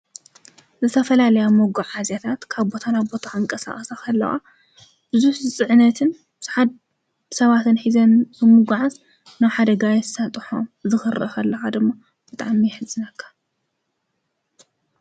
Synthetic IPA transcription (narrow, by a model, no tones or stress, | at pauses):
zɨt̪ʰɐfɐlalɐjamoɡuʕazjat̪ʰat̪kʰaβbo̞t̪ʰanabo̞t̪ʰaɨŋkʼɐsa̰χʼsakʰɐlːɐ̰xa̰ | b̥ɨzuħzɨt͡sʼɨʕnɐt̪ʰɨn | bzħad̪̚ | sɐβat̪ʰɨnħizɐnzɨmuɡʕaz | naβħad̪ɐɡajɛsat̪ʼɨħo̰mzɨxɨɾɐ̰xʰɐlːɐxad̪ɨmːa | b̥ɨt̪ʼa̰ʕmijɪħɨzʼɨnɐkʰːḁ